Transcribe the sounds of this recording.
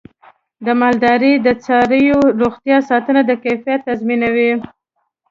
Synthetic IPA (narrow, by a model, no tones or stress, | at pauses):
d̪əmɑld̪ɑɾid̪ət͡sɑɾəjoɾoɣt̪jɑsɑt̪ənad̪əkajfijat̪ːazminawi